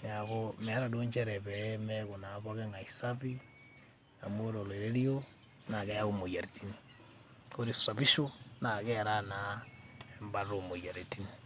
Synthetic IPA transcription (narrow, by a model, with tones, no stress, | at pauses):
na˨komɛ˨a˦ɾa˨do˦ɲt͡ʃɛɾɛ˨βɛ˨ɛmɛko˨na˨βɔkɛ˦ŋa˨isaβi | a̰˨mo˦ɾo˨le˨ɾe˦ɾi˦o˦ | na˨kɛ˦jao˨mo˨ja˨ɾeti˦ni | ko˦ɾi˨sa˨bi˦ʃo˦na˨kɛɾa˦na˦ɛmba˦ɾo˨mo˨ja˨ɾe˨ti˦ni